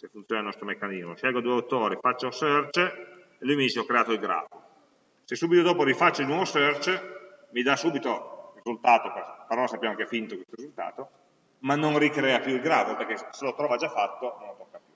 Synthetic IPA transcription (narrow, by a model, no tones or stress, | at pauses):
kefːunt̪sjoːnilnɔst̪ɾomekːanizmoʃjɛlɡod̪uːeut̪oːɾifat͡ʃːausørt͡ʃe | elujmid̪iːt͡ʃeɔkːɾeaːt̪oilɡɾa̰ːfo | sesːuːbit̪od̪ɔːpoɾifat͡ʃːailnwɔvosørt͡ʃemid̪asuːbit̪orizult̪aːt̪okapaɾɔːlasapːjamaŋkeafint̪okwest̪oɾizult̪a̰ːt̪o | manːonrikɾɛːapjuilɡɾaːfopeɾkeselot̪ɾɔːvad͡ʒafat̪ːonõnlot̪okːapju